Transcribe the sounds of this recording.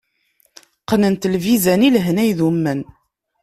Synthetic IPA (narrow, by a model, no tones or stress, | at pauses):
qnənt̪lvizænilɦnæjðumːən